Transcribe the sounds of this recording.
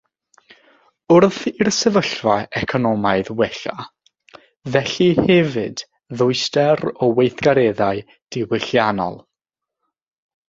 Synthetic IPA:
ʊrθɪrsɛvəɬvaɛkʰɔnɔmaɨðwɛɬa | vɛɬihɛvɨd | ðʊɨstɛɾɔwejθɡ̥aɾɛðaɨ | d̥ɪwɪɬjanɔ̰lˠ

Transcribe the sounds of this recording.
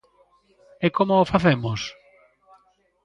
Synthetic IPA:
ɛkomoːfaθemos

